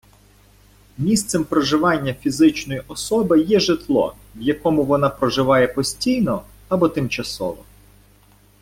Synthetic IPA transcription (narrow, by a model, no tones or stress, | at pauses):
mʲist̪sɛmpɾɔʒɪʋɑnʲːɐfʲizɪt͡ʃnɔjiʔɔsɔbɪjɛʒɪt̪lˠɔ̰ | ʋjɐkɔmʊʋɔnɑpɾɔʒɪʋɑjɛpɔsʲtʲijnɔ | ɐbɔt̪ɪmt͡ʃɐsɔ̰ʋɔ̰